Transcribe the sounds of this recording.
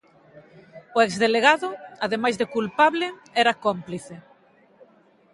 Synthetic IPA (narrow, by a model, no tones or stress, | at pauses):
ʊɛkzðeleɣaðʊaðemajzðekulpaβlɪɛɾakompliθe